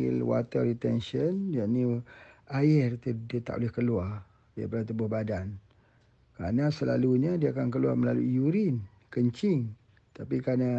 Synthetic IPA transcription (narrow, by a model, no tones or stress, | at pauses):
ɪ̰lwa̰t̪ərit̪ɛnʃənjanĩaɪrt̪ədət̪a̰ʔolɛhkəluar | dia̰padat̪ubʊhbadan | kɾa̰nãsəla̰luɲadiaakank̬əluarməlalujuɾɪn | kəɲt͡ʃɪŋ | t̪apikana